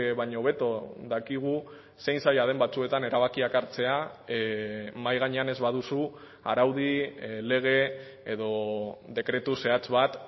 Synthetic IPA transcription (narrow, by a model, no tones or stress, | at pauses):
βaɲo̞βe̞t̪oðakiɣ̞u | sejnsajað̞e̞mbat͡sue̞t̪ane̞ɾaβakiakaɾt͡se̞a | majɣ̞aɲe̞ane̞zβaðusu | a̰ɾawð̞ile̞ɣ̞e̞ː | ðo̞ðe̞kɾe̞t̪use̞at͡sβat̪